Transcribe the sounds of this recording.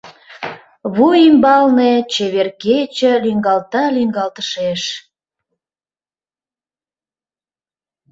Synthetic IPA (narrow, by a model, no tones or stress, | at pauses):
βujimbɑlnet͡ɕeβerket͡ɕəliŋɡɑlt̪ɑliŋɡɑlt̪ə̥ʃeʃ